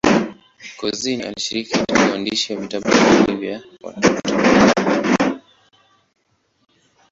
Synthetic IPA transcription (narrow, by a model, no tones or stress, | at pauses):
kɔziniʔa̰liʃiɾikikatikawandiʃiwavitaɓakulivja | wa̰tɔtɔ